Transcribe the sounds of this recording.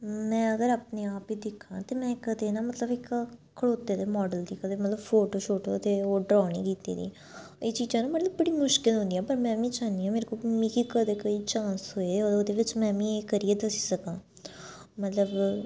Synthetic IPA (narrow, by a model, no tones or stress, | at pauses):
mɛ̃ːəɡəɾaːpneːaːpiːd̪ɪkʰːãːt̪eːmɛ̃ːkəd̪eːnãːmət̪ləbɪkkʰəɽoːt̪ːeːd̪eːmɔːɖəld̪iːkəd̪eːmət̪ləbfʰoːʈoːʃoːʈoːət̪eːoːɖɾaːɽ̃ḭːkiːt̪ḛːd̪ḭː | eːt͡ʃiːd͡ʒãːnũːmət̪ləbbəɽiːmʊʃkɪlɦʊ̃nd̪iːɦɛːpəɾmɛ̃ːʋĩːt͡ʃaːniːãːmeːɾekomĩːkiːkəd̪eːkoːiːt͡ʃãːnsɦoːeːooːd̪eːʋɪt͡ʃmɛ̃ːʋĩːeːkəɾiːeːd̪əsi̥ːsəkãː | mət̪ləb